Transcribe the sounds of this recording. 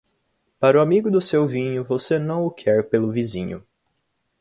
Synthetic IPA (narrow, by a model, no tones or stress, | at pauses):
paɾʊamiɡʊd̪ʊsewvĩɲʊvosenɐ̃w̃ʊkʰɛɾpelʊvizĩɲʊ̰